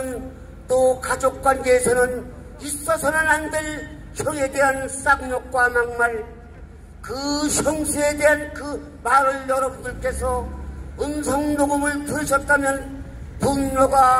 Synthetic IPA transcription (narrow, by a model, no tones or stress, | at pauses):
n | t͈okad͡ʑok̚k͈wanɡeːsʰʌnɯn | is͈ʌsʰʌnɯnandeɭ | ɕʰʌŋe̞de̞ɦans͈aŋɲʌk̚k͈wamaŋmaɭ | kɯɕʰʌŋsʰue̞de̞ɦankɯ | maɾɯɭjʌɾʌbundɯɭk͈e̞sʰʌɯnsʰʌŋnoɡɯmɯɭpʰuɾiɕʰʌt̚t͈amjʌn | punɲoɡa